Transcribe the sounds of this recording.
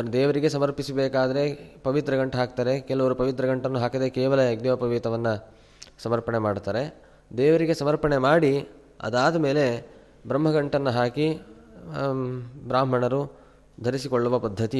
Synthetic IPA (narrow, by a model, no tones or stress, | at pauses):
ɐɐɾud̪ɛːʋɐɾiɡe̞sɐmɐɾpisɐbɛːkaːd̪ɐɾe̞pɐʋit̪ɾɐɡɐɳʈɐɦaːk̚t̪aːɾe̞kɛlɐʋɐɾupɐʋit̪ɾɐɡɐɳʈɐnːuɦaːkɐd̪ekɛːʋɐlɐjɐɡnɐʋɐpɐʋiːt̪ɐʋɐnːɐ | sɐmɐɾpɐɳemaːɖt̪aːɾe̞ | d̪ɛːʋɐɾiɡe̞sɐmɐɾpɐɳemaːɽi | ɐ̰d̪aːd̪ɐme̞ːle̞ | bɾɐmːɐɡɐɳʈɐnːɐɦaːki | bɾaːm̤ɐɳɐɾu | d̪ʱɐɾisikɔɭːuʋɐpɐd̪ʱːɐt̪i